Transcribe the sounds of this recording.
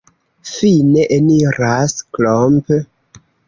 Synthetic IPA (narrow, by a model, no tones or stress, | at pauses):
fineʔeniɾasklomp